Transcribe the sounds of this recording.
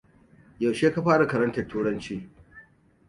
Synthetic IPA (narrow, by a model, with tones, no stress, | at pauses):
ja˨wʃeː˦ka˦ɸaː˦ɽa˨kɐ˨ɾɐ˦ntɐ˨rtuː˦ɽɐ˦nt͡ʃiː˦